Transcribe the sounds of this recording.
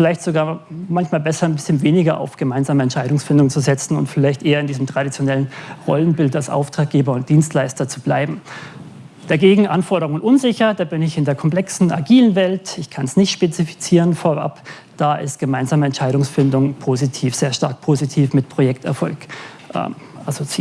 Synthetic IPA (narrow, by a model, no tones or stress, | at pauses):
fɪlaɪçtz̥oɡaːɐmançmaːlbɛsɐnbɪsçənveːnɪɡɐʔa̰ʊfɡ̥əmaɪnzaːməɛntʃaɪɾʊŋsfɪndʊŋt͡suzɛt͡sn̩ʊ̰ntfɪlaɪçtʔeːɐɪndiːzəmtʁ̥aɾit͡sjonɛlənʁɔ̰lənbɪltalsʔa̰ʊftʁ̥aːk̚ɡ̥eːbɐʊnt̚d̥iːnstlaɪstɐt͡sub̥la̰ɪbm̩ | d̥aɡeːɡŋ̩ʔanfɔɐɾəʊŋənʔʊnzɪçɐdaːbɪnɪçɪndeːɐkʰɔmplɛksn̩a̰ɡiːlənvɛltɪçkʰansnɪçtʃpet͡sifi̥t͡siːʁənfoɐʔa̰p | d̥aːʔɪ̰stɡ̥əmaɪnzaːməɛntʃaɪɾʊŋsfɪndʊŋpʰoːzitʰiːfz̥eːɐʃtaɐk̚pʰoːzitʰiːfmɪtpʰʁ̥ojɛktɛ̰ɐfɔ̰lk | ʔɛ̰ʔasot͡siː